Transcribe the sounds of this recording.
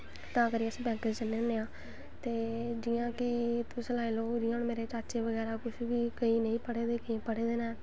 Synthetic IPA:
t̪ãːkəɾiːəsĩːbɛ̃ːkəd͡ʒt͡ʃənːeneːãː | t̪eːd͡ʒiːãːkɪt̪ũːsəlaːiloːd͡ʒɪːãːnmeːɾeːt͡ʃaːt͡ʃeːʋəɡɛːɾaːkʊʃʰʋiːkəĩːnə̃ĩːpəɽeːd̪eːkəĩːpəɽeːd̪eːnaː

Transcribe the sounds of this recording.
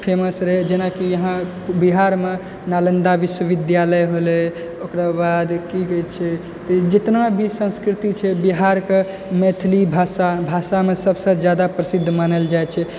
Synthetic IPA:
pʰeməsɾeɦd͡ʒenakijəɦã | biɦaɾme | nalend̪aʋiswəʋid̪jaləjɦole | okɾabad̪kiket͡ʃʰɛ | t̪ɔd͡ʒet̪nabʱisə̃nskɾit̪it͡ʃʰɛbiɦaɾke | met̪ʰlibʱasabʱasamesəbʱsə̃d͡ʒjad̪apɾəsid̪ʱːmanəld͡ʒajt͡ʃʰɛ

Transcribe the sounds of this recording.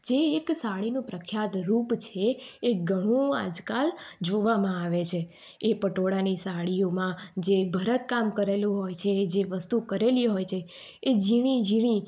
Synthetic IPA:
d͡ʒeːksaɭinũpɾəkʰjat̪ɾupt͡ʃʰeːɡʱəɽ̃ũa̰d͡ʒkald͡ʒoʋamãaʋet͡ʃʰeː | pəʈoɽanisaɭijomãd͡ʒebʱəɾət̪̚kamkəɾelũɦojt͡ʃʰed͡ʒeʋəst̪ukəɾeliɦojt͡ʃʰeː | d͡ʒiɽ̃id͡ʒiɽ̃i

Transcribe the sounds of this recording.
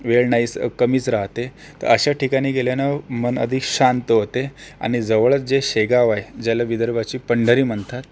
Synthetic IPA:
ʋeɭɳaiːt͡skəmiːt͡sɾaɦt̪e | t̪ə̰ɾəɕaʈikaɽ̃iːɡeljenamənə̰d̪ʱiːkɕant̪əɦot̪ea̰ɽ̃id͡zəʋəɭət͡sd͡ʑeɕeɡaʋajed͡ʑjalaʋid̪əɾʋat͡ɕiːpəɳɖəɾiːm̤əɳt̪at̪̚

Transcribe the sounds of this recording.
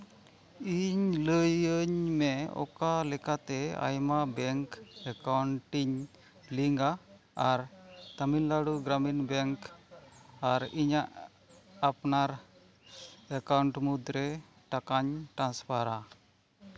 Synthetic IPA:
iɲləjəɲmɛɔ̰kalɛkat̪ɛa̰jmabɛŋkɛkawɳʈiɲ | liŋɡaː | ɾt̪aminlaɽuɡɾaminbɛŋk | aɾiɲaʔ | apnaɾ | əkawɳʈmud̪ɾɛ | ʈakaɲʈɾanspʰaɾa

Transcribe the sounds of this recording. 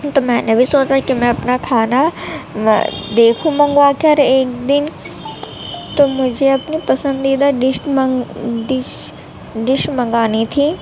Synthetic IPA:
t̪omɛ̃ːnebʱisoːt͡ʃakimɛ̃ɐpnakʰaːna̰ | d̪eːkʰũmɐ̃ŋɡakeɦɐɾeːkd̪ɪn | t̪omʊd͡ʒʱeɐpnipɐsə̃nd̪iːd̪aɖɪʃʈmɖɪʃ | ɖɪʃmɐ̃ŋɡaːnit̪ʰiː

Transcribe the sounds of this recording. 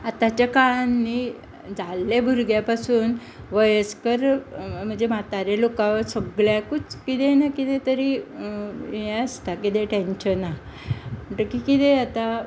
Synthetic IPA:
at̪at͡ɕjakaɭanːi | d͡zalːebʱuɾɡjapasuːn | ʋəjəskəɾm̤əɳd͡zemat̪aɾjalokãʋəɾsəɡɭjãkut͡skit̪ɛnakit̪ẽt̪əɾi | jeəst̪akit̪ɛʈẽnɕəna | m̤əɳʈ̪əkikit̪eat̪a

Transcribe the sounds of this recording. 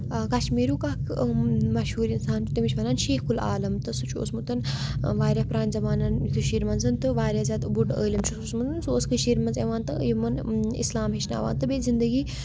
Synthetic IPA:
kɐʃmiːɾuːkakmɐʃhuːɾinsaːnt͡ʃut̪imit͡ʃʰʲmɐnaːnʃeːhkula̰ːlɐmt̪ɨsut͡ʃʰo̰ːsmut̪ɐnʋaːɾʲapɾaːnʲzɐbaːnɐnjit̪ʰuʃiːɾmɐnzɨnt̪ɨʋaːɾʲaːzʲaːt̪buʈə̰ːlʲɐmt͡ʃʰususmut̪ɨnsuoːskɨʃiːɾmɐnzeʋaːnt̪ɨjimɐnḭslaːmɦeʃna̰ːʋa̰ːnt̪ɨbezind̪əɡiː

